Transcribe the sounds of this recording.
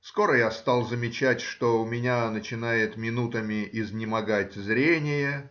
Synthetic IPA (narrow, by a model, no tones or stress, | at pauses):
sko̞ɾəjast̪ɑlˠzəmʲɪt͡ɕætʲʂt̪oʊmʲɪnʲanət͡ɕɪn̪ajɪt̪mʲɪnut̪əmʲɪʔɪznʲɪmɐɡatʲzɾʲenʲɪjə